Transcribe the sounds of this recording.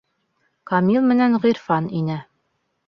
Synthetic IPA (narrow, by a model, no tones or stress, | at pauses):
kɑmʲilˠmɘ̆nænʁiɾfɑninɘ